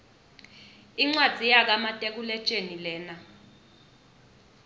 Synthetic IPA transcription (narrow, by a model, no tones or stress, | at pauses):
iŋ͡ǀwad̥z̥ʱijak̬amatʼek̬ulɛt͡ʃʼenilɛːna